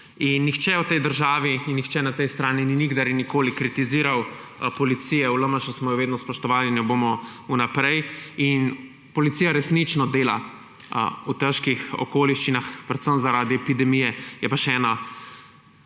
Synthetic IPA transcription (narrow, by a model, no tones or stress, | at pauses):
inːixt͡ʃɛwt̪ɛjd̪əɾʒaːʋiinːixt͡ʃɛnat̪ɛjst̪ɾaːnininiɡd̪aɾɛnikoːlikɾit̪iziːɾawpɔlit̪sijɛuləmaʃasmɔjɔʋeːd̪nɔspɔʃt̪ɔʋaːlinɛbomɔunapɾɛjin | pɔlit̪sijaɾɛsnit͡ʃnɔd̪eːla̰ | ut̪əʃkixɔ̰koːliʃt͡ʃinaxpɾɛt̪səmzaɾaːd̪iɛpid̪ɛmijɛjɛpaʃɛːna